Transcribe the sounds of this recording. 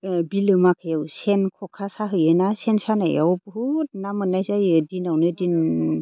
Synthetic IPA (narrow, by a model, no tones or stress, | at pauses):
bilɯmakʰajawsenkʰɔkʰasaɦɯjɯnasensanaja̰wbhut̚namɯnːajzajɯdinawnɯdin